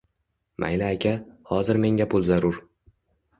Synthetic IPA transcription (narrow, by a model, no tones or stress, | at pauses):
mʔa̰jlaːkʲʰahɒzɪɾme̞ŋʲapʰʊlˠzaɾʊɾ